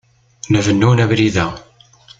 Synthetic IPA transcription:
nəvənːunæbɾiðæ

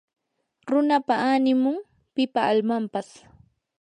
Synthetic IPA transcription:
ɾʊnapaanɪmʊŋ | pɪpaːlmampas

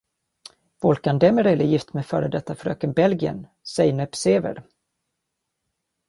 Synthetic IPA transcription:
vɔlkand̪ɛmɛɾeːləjɪft̪mɛfœːɾəd̪ɛt̪ʰːafœɾø̰ːkənbɛlɡɪə̰n | sɛjnɛpseːvə̰ɾ

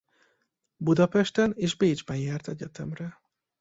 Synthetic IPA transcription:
bud̪ɒpɛʃt̪ɛneːʒbeːd͡ʒbɛnjɛːrt̪ɛɟɛt̪ɛmrɛ

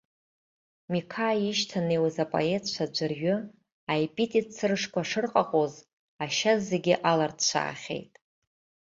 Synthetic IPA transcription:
mikʰaiʃtʰanejwazapʼo̰e̞tʰʼt͡ʃʷʰad͡ʒʷɨrɥʏ | ajpʼitʼit͡sʰɨrʂkʷʰaʂɨrqʼaqʼoz | aʃazːeɡʲɪʔalardʰt͡ʃʷʰa̰ːχʲe̞̰jtʼ

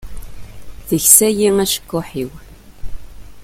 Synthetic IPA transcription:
θəçsæjiŋæʃə̥kːʊħiw

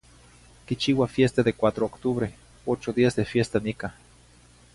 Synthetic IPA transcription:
kit͡ʃiwafjest̪aðekʷat̪ɾookt̪uβɾe | ot͡ʃod̪iazd̪efjest̪anika

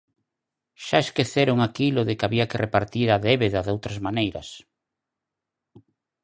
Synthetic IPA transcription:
ʃaeskeθeɾoŋakiloðɪkaβiakerepaɾt̪iɾaðeβeðaðowt̪ɾazmanejɾɐ̰s

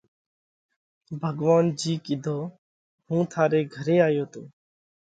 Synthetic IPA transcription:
bʱəɡʋaːnd͡ʒiːkɪd̪ʱoː | hũːt̪ʰaːɾeːɡʱəɾeːaːjoːt̪oː

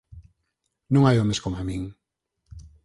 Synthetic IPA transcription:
nũŋajomeskoŋamĩŋ

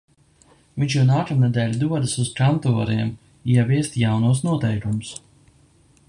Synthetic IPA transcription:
viɲʲt͡ʃjunaːkamnɛd̪ɛːlʲud̪uɔd̪ɨsuzkant̪ɔːɾiɛm | iɛvʲiɛst̪jawnuːsnuɔt̪ɛjkumus

